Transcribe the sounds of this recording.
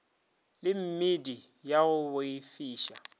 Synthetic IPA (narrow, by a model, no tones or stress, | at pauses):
lɪm̩mɪdijaɣʊbʊifiːʃa̰